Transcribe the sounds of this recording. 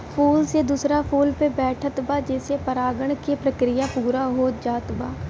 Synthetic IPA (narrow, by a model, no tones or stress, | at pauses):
pʰuːlseːd̪usɾaːpʰuːlpeːbɛːʈʰət̪baːd͡ʒeːseːpəɾaːɡəɳkeːpɾəkɾɪjaːpuːɾaːɦoːd͡ʒaːt̪baː